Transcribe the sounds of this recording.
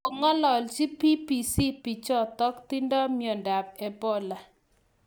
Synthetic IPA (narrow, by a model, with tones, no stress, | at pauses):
o˨ŋɔ˦lɔ˨lt͡ʃi˦pi˦pi˨si˦pi˨t͡ʃɔ˦t̪ɔ˦kt̪i˦ndɔ˦mjɔ˨nda˨b̚ɛ˨bɔ˦la˨